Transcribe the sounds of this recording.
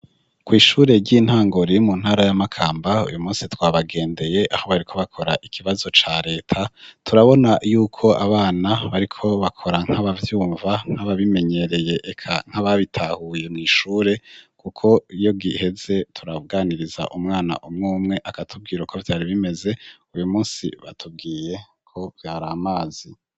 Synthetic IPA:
kwiːʃuːɾe̞ɾɟin̥haːŋɡo̞ɾimun̥haːɾajamakʰaːmbaṵjumuːsitwaːβaɡe̞ːnde̞je̞ʔaho̞βaɾikʰo̞βakʰo̞ɾaʔikʰiβazo̞t͡ʃaɾe̞ːtʰatʰuɾaβo̞najuːkʰo̞aβaːnaβaɾikʰo̞βakʰo̞ɾaŋ̥haβavjuːɱvaŋ̥haβaβime̞ɲe̞ɾe̞je̞ʔːkʰaŋ̥aβaβitʰahuje̞miːʃuːɾe̞kukʰo̞ijo̞ɡihe̞ze̞tʰuɾaβuɡaniɾiza̰ʔumŋaːna̰ʔumŋuːmŋe̞ʔakatʰub̚ɡiːɾokʰo̞vjaːɾiβime̞ze̞ujumuːsḭβatʰub̚ɡiːje̞ | kʰo̞vjaːɾamaːz̥i

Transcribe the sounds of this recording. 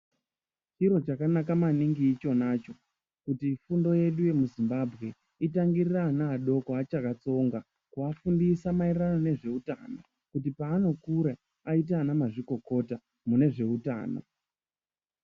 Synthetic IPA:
t͡ʃiɾo̞t͡ʃakanak̬amaniŋɡiːt͡ʃo̞nat͡ʃo̞ | kutifundo̞je̞ɗuje̞muzimbabʱɣe̞ | itaŋɡiriranaːɗo̞koat͡ʃakat͡so̞ŋɡa | kuafundisamairano̞ne̞ʐe̞uta̰no̰ | kutipaːno̞kuɾa | ait̬anamaʐiko̞ko̞ta | mune̞ʐe̞uta̰ːno̰

